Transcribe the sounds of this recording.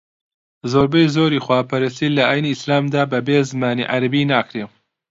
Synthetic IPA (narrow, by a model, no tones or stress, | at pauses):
zoːɾbɐjzoːɾixwaːpʰɐɾɐst̪ilɐaːjniːslaːmd̪aːbɐbeːzɨmaːnḭʕaɾɐbinaːkɾe